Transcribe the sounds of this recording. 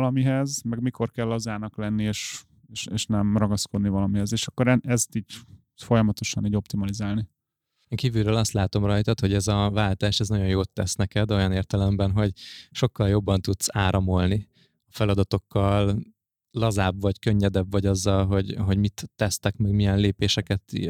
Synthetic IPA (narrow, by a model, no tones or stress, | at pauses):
lɒmiɦɛzmɛɡmikʰo̞rkɛlːɒzaːnɒklɛnːieːʃ | eːʃeːʃnɛmrɒɡɒsko̞d̪nivɒlɒmiɦɛzeːʃɒkːo̞ɾɛnʔɛst̪iːɟ | fo̞jɒmɒt̪o̞ʃɒniːɟo̞p̚t̪imɒlizaːlni | eːŋkiːvyɾøːlɒst̪laːt̪o̞mrɒjt̪ɒt̪ho̞ɟɛzɒvaːlt̪aːʃɛznɒɟo̞njoːt̪ːɛsnɛkɛd̪o̞jɒneːrt̪ɛlɛmbɛnɦo̞ɟʃo̞kːɒljo̞bːɒnt̪ut̪saːɾɒmo̞lni | ɒfɛlɒd̪ɒt̪o̞kːɒlː | ɒzaːbvɒɟkøɲːɛd̪ɛbvɒɟɒzːɒlɦo̞ɟɦo̞ɟmit̪ːɛst̪ɛkmɛɡmijɛnleːpeːʃɛkɛt̪ḭ